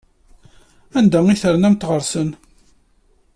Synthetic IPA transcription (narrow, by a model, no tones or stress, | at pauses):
ænd̪æiθəɾnæmt̪ːʁəɾsən